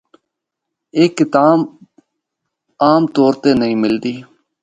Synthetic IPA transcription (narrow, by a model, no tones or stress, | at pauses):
eːkːɪt̪aː | aːmt̪oːɾt̪eːnəĩːmɪld̪iː